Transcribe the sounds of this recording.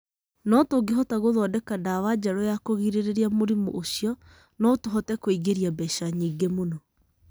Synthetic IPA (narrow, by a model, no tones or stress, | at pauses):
nɔtoɡeɦɔtaɣoðɔdɛkadaːwad͡ʑaɾɔjakoɣiɾeɾeɾiamoɾimo̰ʔoɕijɔ | nɔtoɦɔtɛkoiɣeɾiabɛɕaɲiːɡemonɔ